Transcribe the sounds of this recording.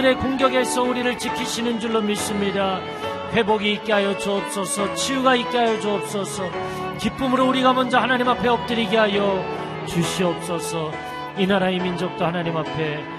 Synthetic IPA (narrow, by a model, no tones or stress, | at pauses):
ɾe̞koŋɡjʌɡe̞sʰʌuɾiɾɯɭt͡ɕikʰiɕʰinɯnd͡ʑuɭːomis͈ɯmɲida | ɸwe̞boɡiːk͈eɦajʌd͡ʑuʌp̚s͈ʌsʰʌt͡ɕʰiuɡaik͈eɦajʌd͡ʑuʌp̚s͈ʌsʰʌ | kip͈ɯmɯɾouɾiɡamʌnd͡ʑʌhanaɲimapʰe̞ʌp̚t͈ɯɾiɡeɦajʌ | t͡ɕuɕʰiʌp̚s͈ʌsʰʌ | inaɾaimind͡ʑʌk̚t͈ohanaɲimapʰe̞